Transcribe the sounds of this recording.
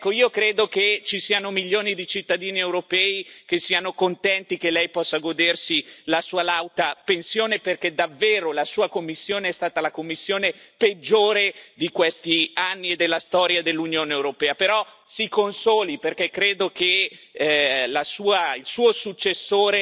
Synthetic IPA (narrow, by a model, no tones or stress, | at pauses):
ɛkːoiːokɾeːd̪oket͡ʃisiːanomiʎːoːnid̪it͡ʃit̪ːad̪iːniewɾopɛːik̟esiːanokont̪ɛnt̪ikelːɛjpɔsːaɡod̪ersilasuːalawt̪apensjoːneperked̪avːeːɾolasuːakomːisːjoːneɛst̪aːt̪alakomːisːjoːneped͡ʒːoːɾed̪ikwest̪ianːied̪ːelːast̪ɔːɾjad̪elːunjoːneewɾopɛːapeɾɔsikonsoːliperkekːɾeːd̪oke | lasuːailsuːosut͡ʃːesːoːɾe